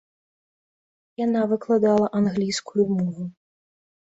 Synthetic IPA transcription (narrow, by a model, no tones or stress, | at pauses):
janavɨklˠad̪alˠɐʔanɣlʲijskujumɔvu